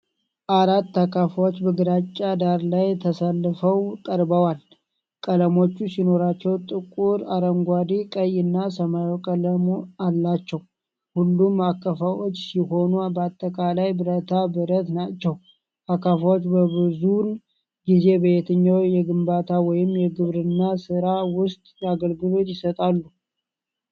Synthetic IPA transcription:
ʔaɾat̪ːakʰafawot͡ʃːbəɡɨɾat͡ʃʼːad̪aɾlajt̪ʰəsəlːɨfəwk̪ʼəɾbəwal | kʼələmo̞t͡ʃːusino̞ɾat͡ʃːɛwt̪ʼɨkʼuɾaɾəŋɡʷad̪ikʼəjɨnːasəmajokʼələmualːat͡ʃːɛw | hulːumakːəfawot͡ʃːsiho̞nubəat̪ʼːəkʼalajbɨɾət̪ʰabɨɾət̪nat͡ʃːɛw | ʔakːəfawot͡ʃːbəbɨzun | ɡize̞bəjɛt̪ʰəɲːawjɛɡɨmbat̪ʰawɔjɪmːjɛɡɨβɾɨnːasɨɾawʊst̪ʼjaɡəlɡɨlo̞t̪jɪsət̪ʼalːu

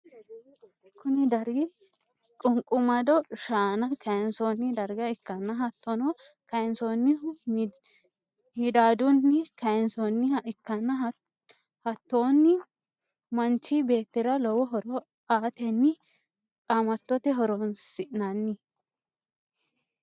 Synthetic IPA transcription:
kʰʊnɛd̪ɐɾɡɪ | kʼʊŋkʼʊmɐd̪ɔʃaːnɐkɐjnsoːnːɪd̪ɐɾɡɐɪkːɐnːɐɦɐt̪ːɔnɔ | kɐjnsoːnːɪ | hɪd̪aːd̪ʊnːɪkɐjnsɔnːɪɪkːɐnːɐ | hɐt̪ːoːnːɪ | mɐnt͡ʃːɪbe̞ːt̪ːɪɾɐlɔwɔɦɔɾɔ | aːt̪ɛnːɪ | kʼɐmɐt̪ːɔt̪ɛɦɔɾɔnsɪʔnɐnːɪ

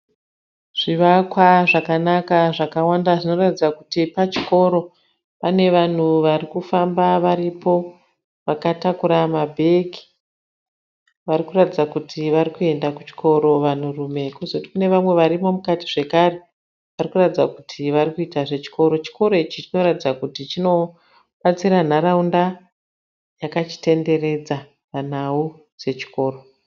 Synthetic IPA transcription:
ʐ̥iʋakwaʐakanakaʐakawandaʐino̞ratid͡zakutipat͡ʃi̥ko̞ɾo̞ | pane̞ʋan̤uʋarikufambaʋaɾipo̞ | ʋakatakuɾamabʱe̞ki̥ | ʋaɾikuratid͡zakutʰiʋaɾikue̞ndakut͡ʃi̥kʰo̞ɾo̞ʋan̤urume̞ikozouti̥kune̞ʋamwe̞ʋaɾimo̞mukati̥ʐe̞kare̞ | ʋarikuratid͡zakutʰiʋarikuitaʐe̞t͡ʃi̥ko̞ɾo̞t͡ʃi̥ko̞ɾo̞it͡ʃit͡ʃino̞ɾatid͡zakutit͡ʃino̞ | ɓat͡siɾan̤aɾaunda | jakat͡ʃi̥te̞nde̞re̞d͡za | pan̤au | d͡ze̞t͡ʃi̥ko̞ːro̞

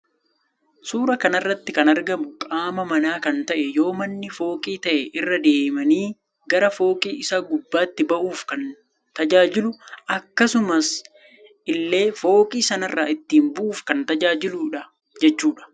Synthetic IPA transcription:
suːɾɐkɐnɐrːɐt̪ːɪkɐnɐɾɡɐmʊkʼaːmɐmɐnaːkɐnt̪ɐʔɛjo̞ːmɐnːɪfo̞ːkʼiːt̪ɐʔɛʔɪrːɐd̪e̞ːmɐniː | ɡɐɾɐfo̞ːkʼiːʔɪsaːɡʊbːaːt̪ːɪbɐʔuːfkɐn | t̪ɐd͡ʒaːd͡ʒɪlʊʔɐkːɐsʊmɐs | ʔɪlːe̞ːfo̞ːkʼiːsɐnɐrːaːɪt̪ːiːmbʊʔuːfkɐnt̪ɐd͡ʒaːd͡ʒɪluːᶑɐ | d͡ʒɛt͡ʃːuːᶑɐ̥

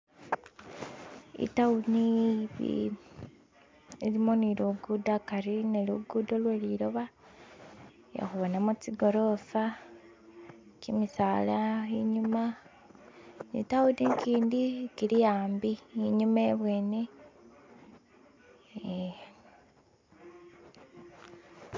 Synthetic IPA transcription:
ḭtauniβḭ | ilimo̞niluɡudakaɾineluɡudolweliɾoβa | ja̰xuβonamut͡siɡo̞ɾo̞fa | kimisaːlaiɲuma | nḭtaudiŋkiːndikilijaːmbiːɲumeβwe̞ːne

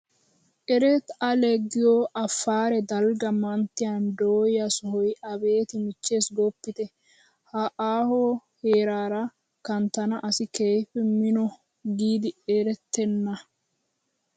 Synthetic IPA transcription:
ʔɛɾɛt̪ɐlɛɡːɪjoʔɐfːaːɾɛd̪ɐlɡɐmɐnt̪ːɪjand̪oːjjɐsɔhɔjɐbe̞ːt̪ɪmɪt͡ʃːeːsɡɔpːɪt̪ɛ | hɐʔaːhoːheːɾaːɾɐ | kɐnt̪ːɐnɐʔɐsɪkejfɛmɪnɔ | ɡiːd̪ɪeːɾɛt̪ːɛnːɐ

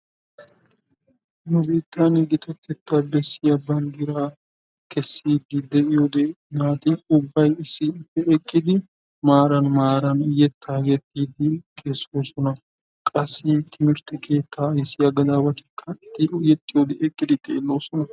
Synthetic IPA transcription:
nʊbeːt̪ːanɪɡɪt̪ɐt̪ːɛt̪ːɐbɛsːɪɐbːɐnɡɪɾaː | kɛsːiːɡ̪ɪd̪ɛɪjod̪e | naːt̪ɪʊbːɐjɪsːɪfɛɛkʼːɪd̪ɪ | maːɾɐnmaːɾɐnʊjɛt̪ʰːajɛt̪ːiːd̪ɪkesoːsɔnɐ | kʼɐsːit̪ʰɪmɪɾt̪ɪkʰe̞ːt̪ʰːajɛsɪjɐɡɐd̪aːbɐt̪ɪ̥kʰːɐɪt̪ːɪʊjɛt̪ʼːɪjod̪eʔɛkʼːɪd̪ɪt̪ʼḛːlːoːsɔnɐ

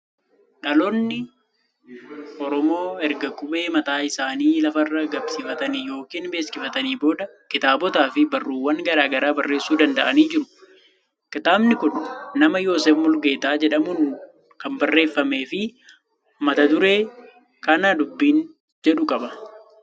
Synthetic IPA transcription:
ᶑɐlɔnːɪ | ʔɔɾɔmo̞ːɛɾɡɐkʊbe̞ːmɐt̪aːɪsaːniːlɐfɐrːɐɡɐbsɪfɐt̪ɐnɪjo̞ːkiːnbe̞ːskɪfɐt̪ɐniːbo̞ːd̪ɐkɪt̪aːbɔt̪aːfɪbɐrːuːwːɐŋɡɐɾaːɡɐɾaːbɐrːe̞ːsːuːd̪ɐnd̪ɐʔɐniːd͡ʒɪɾʊ̥ | kɪt̪aːbnɪkʊnːɐmɐjo̞ːsɛfmʊlɡe̞ːt̪aːd͡ʒɛᶑɐmʊn | kɐmbɐrːe̞ːfːɐme̞ːfɪ | mɐt̪ɐd̪ʊɾe̞ː | kɐnaːd̪ʊbːiːn | d͡ʒɛᶑʊkʼɐbɐ

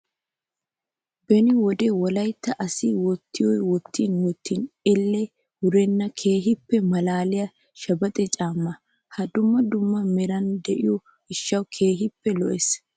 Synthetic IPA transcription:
bɛnɪwɔd̪eːwɔlɐjt̪ːɐʔɐsɪwɔt̪ːɪjɔjwɔt̪ʰːiːnwɔt̪ʰːinɛlːɛ | hʊɾɛnːɐkʰeːɦɪpːɛmɐlaːlɪjɐ | ʃɐbɐt̪ʼɛt͡ʃʼaːmːɐ | hɐd̪ʊmːɐd̪ʊmːɐmɛɾɐnd̪ɛʔɪjɔ | ɪʃːɐwkʰe̞ːɦɪpːɛlɔʔɛs

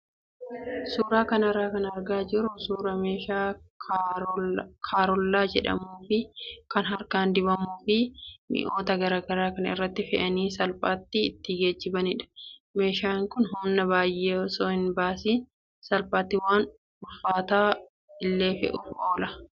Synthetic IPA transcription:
suːɾaːkɐnɐraːkɐnɐɾɡaːd͡ʒɪɾʊsuːɾɐmeːʃaː | kʰaːɾɔlːaːd͡ʒɛᶑɐ̰muːfɪkɐnɦɐɾkaːnd̪ɪbɐmuːfɪmɪ̰ʔo̞ːt̪ɐɡɐɾaːɡɐɾaːkɐnɐɪ̰rːɐt̪ːɪfɛʔɐniːsɐlpʼaːt̪ːɪːt̪ːɪɡeːd͡ʒːɪbɐnɪᶑɐ̥me̞ːʃaːŋkʊnɦɔnːɐβaːjʔːeːɔsoːhɪnbaːsiːn | sɐlpʼaːt̪ːɪwaːn | ʊfːaːt̪aː | ɪlːe̞ːfɛ̰ʔʊːʔoːlɐ

